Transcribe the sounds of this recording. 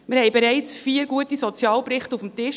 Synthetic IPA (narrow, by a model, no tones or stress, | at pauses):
mɪɾhɛɪbeɾɛɪt͡sfiːəɾɡuətisɔt͡sjɑːlpɾɪχtufm̩tɪʃ